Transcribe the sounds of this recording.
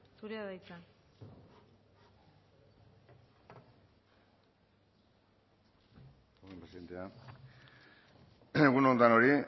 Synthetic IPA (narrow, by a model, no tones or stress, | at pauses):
suɾeaðajt͡sa | oɣempɾesiðe̞nt̪ea | eɣunont̪ano̞ɾi